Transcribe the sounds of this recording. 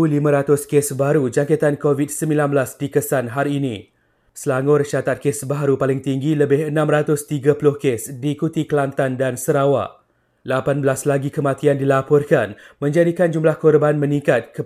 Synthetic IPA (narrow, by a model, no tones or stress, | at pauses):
ulimãɾat̪ʊskesbaɾud͡ʒaŋket̪ankovit̚səmbĩlanbəlasdikəsanɦaɾiːnĩ | səlaŋʊrʃat̪at̪̚kesbaɦaɾupalɪŋt̪iŋɡiləbɪɦənãmrat̪ʊst̪iɡapulʊhkesdikut̪ikəlant̪andansəɾawa̰ʔ | lapanbəlaslaɡikəmãt̪iandilapɔrkanmə̃ɲd͡ʒadikand͡ʒumlahkɔrbanmə̃nĩŋkat̪̚kə